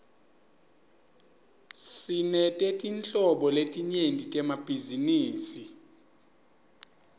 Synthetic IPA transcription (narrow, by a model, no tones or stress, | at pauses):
sinɛtʼɛtʼint͡ɬʼɔɓɔletʼiɲentʼitʼɛmab̥ʱiziniːsi